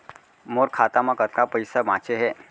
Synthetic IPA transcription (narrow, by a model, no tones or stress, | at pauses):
moɾkʰat̪amakət̪kapəjsamat͡ɕeɦe